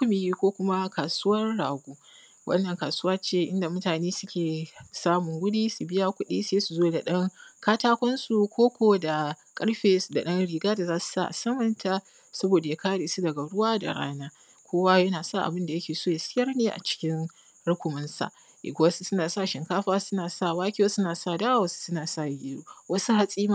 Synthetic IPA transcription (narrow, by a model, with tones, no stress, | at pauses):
ʊ˦mi˨ji˦kʷoː˦kʷʊ˦ma˦kaː˨su˦wɐ˦nɽaː˨ɡʷuː˦ | wʔɐ̰˦nːɐ˨ŋkaː˨sʊ˦waː˦t͡ʃeː˦˨ʔɪ˦nda˨mʊ˦taː˨neː˦sʊ˦kʲeː˨saː˦mʊ˨ŋɡʷʊ˦ɗiː˦su˨bɪ˦ja˦kʷʊ˦ɗḭː˦seː˦su˨zoː˦da˨ɗɐ˦ŋkaː˦taː˦kʷɔ˦nsu˨kʷoː˦kʷoː˦da˨kʼɐ˦ɽɸeː˨sda˨ɗɐ˦nɽiː˨ɡaː˦da˨zaː˦su̥˨sa̰˦ʔa̰˨sɐ˦mɐ˨ntʰa˦ | sɐ˦boː˨da˨ja˦kaː˦ɽeː˨su˦dɐ˨ɡa˨ɽʊ˦waː˦da̰˨ɽa̰ː˦naː˦ | kʷoː˦wa˦jɐ˦naː˨sa˦˨ʔa̰˨bɪ˦nda˨jɐ˦kʲeː˨soː˦ja˨sɪ˦jɐ˦rneː˦ʔa̰˨t͡ʃɪ̥˦kʲɪ˦n | ɽʊ˦kʷʊ˨mɐ˦nsa̰˨ʔ | ʔḛ˨ɡʷʊ˦wa˦su˦sʊ˦naː˨saː˦˨ʃɪ˨ŋkaː˦ɸaː˦sʊ˦naː˨sa˦˨waː˦kʲi˦a˦sʊ˦naː˨sa˦˨daː˦wa˦˨wɐ˨su̥˦sʊ˦naː˨sa˦˨jɪ˦dṵː˦wɐ˦su˦ha˦sʼiː˦ma˦